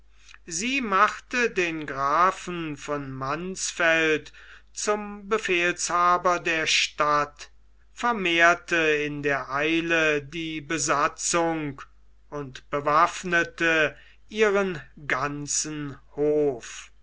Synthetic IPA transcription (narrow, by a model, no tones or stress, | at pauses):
ziːmaχtədeːnɡʁaːfn̩fɔnmansfɛltt͡sʊmbəfeːlshaːbɐdeːɐʃtat | fɛɐmeːɐtəɪndeːɐʔaɪlədiːbəzat͡sʊŋk | ʊntb̥əvafnətə | ʔiːʁənɡant͡sn̩hoːf